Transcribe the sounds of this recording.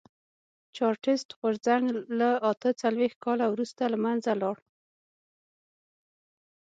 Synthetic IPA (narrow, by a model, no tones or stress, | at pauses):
t͡ʃɑɾʈɪsʈɣoɾzaŋɡlaat̪ət͡salwex̚kɑlawɾust̪alamanzalɑɽ